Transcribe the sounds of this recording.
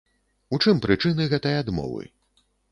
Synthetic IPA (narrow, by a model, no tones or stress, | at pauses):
ut͡ʂɨmpɾʔɨt͡ʂɨnɨɣɛt̪ɐjad̪mɔ̰vɨ̰